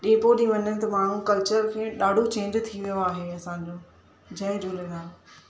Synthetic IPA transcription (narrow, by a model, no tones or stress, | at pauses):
ɗẽːpoɗĩːʋɐnənɪ̆t̪ɐmaːɳ̤ũkɐlt͡ɕəɾkʰẽːɗaːɖʱot͡ɕẽːɲd͡ʑt̪ʰiʋijoaːɦeɐsãɲd͡ʑoː | d͡ʑɐːɪɾuleɾaː